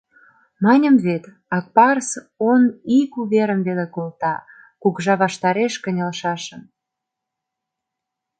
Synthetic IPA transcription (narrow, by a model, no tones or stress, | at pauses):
mɑnʲəmβet̪ | ɑk̚pɑrs | onikuβeɾəmβelekolt̪ɑ | kukʒɑβɑʃt̪ɑɾeʃkənʲəlʃɑʃəm